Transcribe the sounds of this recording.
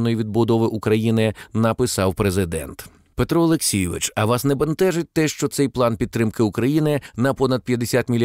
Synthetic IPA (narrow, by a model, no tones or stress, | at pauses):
nːɔjiʋʲid̪̚bʊd̪ɔʋɪʔukɾɐjinɪnɐpɪsɑwpɾezɪd̪ɛ̰nt̪ | pet̪ɾɔɔlˠeksʲijɪʋɪ̰t͡ʃɐʋɑsnɛbɐnt̪ɛʒɪt̚ʲt̪ɛʃt͡ʃɔt̪sɛjplˠɑnpʲid̪̚t̪ːɾɪmkɪʊkɾɐjinɪnɐpɔnɐd̪̚pʲjɐd̪esʲat̪mʲilʲ